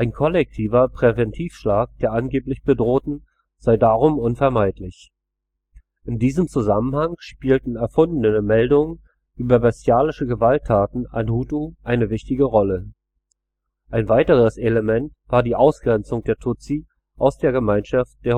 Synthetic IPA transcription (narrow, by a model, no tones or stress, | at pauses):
ʔaɪnkʰɔlɛk̚tʰiːvɐpʁ̥ɛvɛntʰiːfʃlaːk̚d̥eːɐʔanɡeːplɪçb̥ədʁoːtn̩ | z̥aɪdaːʁ̞ʊmʊnfɛɐmaɪtlɪç | ʔɪndiːzəmt͡suzamən̩haŋʃpiːltn̩ɛɐfʊndn̩ənəmɛldʊŋən | ʔyːbɐbɛstjaːlɪʃəɡəvaltʰːaːtn̩a̰nhuːtuʔaɪnəvɪçtɪɡəʁɔlə | ʔaɪnvaɪtəʁ̞əsʔeləmɛntv̥aːɐdiːʔaʊsɡ̥ʁɛnt͡sʊŋd̥eːɐtʰʊt͡siː | ʔaʊsd̥eːɐɡəmaɪnʃaft̚d̥eːɐ